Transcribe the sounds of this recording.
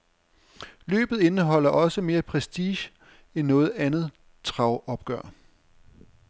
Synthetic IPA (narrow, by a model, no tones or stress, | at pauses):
lø̰ːb̥ð̞̩ˠe̝nəɦɒ̽l̰ɐʔɒ̽səme̝ːɐpʰʁɛsd̥iːɕ | enːɔ̽ːð̞̩ˠænð̞̩ˠ | t͡sʰʁɑ̈ʊɒ̽b̥̚ɡ̥ɶɐ̰